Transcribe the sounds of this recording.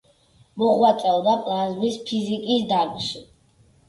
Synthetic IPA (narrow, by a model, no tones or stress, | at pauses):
mɔʁwat̪sʼɛlˠd̪apʼlˠazmispʰizikʼisd̪aɾɡʃi